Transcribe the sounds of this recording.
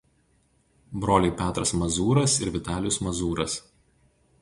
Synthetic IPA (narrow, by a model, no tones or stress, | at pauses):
bɾoːlʲeɪpʲæːt̪ɾɐsmɐzuːɾɐsɪɾʋʲɪt̪ɑːlʲɪjʊsmɐzuːɾɐs